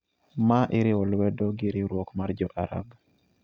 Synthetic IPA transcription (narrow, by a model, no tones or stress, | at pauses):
maʔɪɾɪwɔlwɛdɔɡɪɾɪɾwɔkmard͡ʒɔʔaɾa̰ɡ